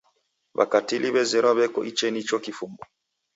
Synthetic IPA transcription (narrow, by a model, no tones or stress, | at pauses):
βa̰katiliβɛzɛɾaβɛkɔ̰ʔit͡ʃɛnit͡ʃɔkifumbɔ